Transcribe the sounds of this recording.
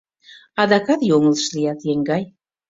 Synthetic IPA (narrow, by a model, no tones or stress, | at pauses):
ɑd̪ɑkɑt̪joŋələʃlijɑt̪jeŋɡɑj